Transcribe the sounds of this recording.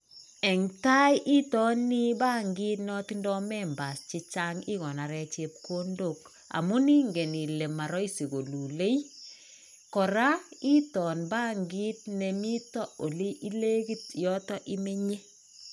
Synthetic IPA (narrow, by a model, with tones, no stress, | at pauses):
ɛ˨ŋta˦jʔi˦tɔ˦nːi˦ba˦ŋɡi˦tnɔ˦tindɔ˦mɛ˦mba˨st͡ʃi˧t͡ʃa˦ŋi˦ɣɔ˨na˨ɾɛ˨t͡ʃe˨p̚kondo˨k | a̰˨mu˦ni˦ŋɡe˨ni˨le˨ma˨ɾɔ˦isi˨ɣo˨lu˨le˦j | kɔ˨ɾa˦i˦tɔ˨nba˦ŋɡi˦t̚nemi˦tɔ˦o˨li˦ʔi˦le˦ɡi˦t̚jɔ˦tɔ˦ʔi˦me˦ɲe˦